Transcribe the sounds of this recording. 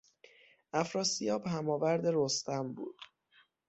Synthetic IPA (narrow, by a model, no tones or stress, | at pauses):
ʔæfɾɒːsijɒːbɦæmɒːvæɾd̪e̞ɾost̪æmbṵːd̪̥